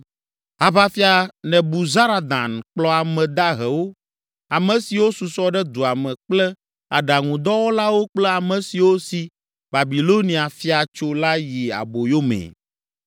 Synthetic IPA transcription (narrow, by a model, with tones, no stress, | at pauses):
a˨va˦fi˦a˨nɛ̃˨bu˨za˦ɾa˨d̪ã̰˨nk͡plɔ˦a˨mɛ̃˨d̪a˦ɦɛ˨wo˦ | a˨mɛ̃˨si˨wo˦su˨sɔ˦ɖɛ˦d̪u˨a˨mɛ̃˨k͡plɛ˦ | a˨ɖa˨ŋũ˨d̪ɔ˦wo˦la˦wo˦k͡plɛ˦a˨mɛ̃˨si˨wo˦si˨ | ba˨bi˨lo˦nĩ˨a˨fi˦a˨t͡ʃo˦la˦ji˨a̰˨bo˨jo˦mɛ̰̃˨